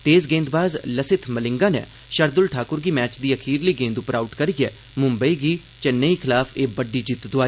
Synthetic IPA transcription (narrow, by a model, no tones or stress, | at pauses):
t̪eːsɡẽːnd̪baːzləsɪt̪ʰməlɪ̃ŋɡaːnɛ̰ː | ʃəɾd̪ʊlʈʰaːkʊɾɡiːmɛːt͡ʃd̪iːəkʰiːɾliːɡẽːnd̪ʊpɾaːʊʈkəɾijɛː | mʊ̃mbəiːɡiː | t͡ʃɛnːeːiːkʰɪlaːfʰeːbəɖːiːd͡ʒɪt̪d̪ʊaːi